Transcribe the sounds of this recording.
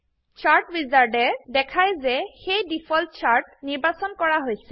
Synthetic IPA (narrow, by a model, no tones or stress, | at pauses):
t͡ʃaɹʈbizaɹdɛdɛkʰajzɛxejdipʰɔlt̚t͡ʃʰaɹʈ̚niɹbasɔnkɔɹaɦojsɛ